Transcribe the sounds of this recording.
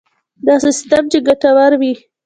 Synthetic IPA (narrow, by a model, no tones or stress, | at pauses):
d̪ɑsɪst̪amt͡ʃeɡaʈawaɾwi